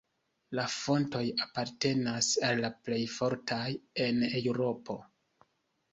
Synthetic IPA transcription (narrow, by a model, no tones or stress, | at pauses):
lafo̞nto̞japaɾte̞nasalːaple̞jfo̞ɾtʰaje̞newɾo̞pʰo̞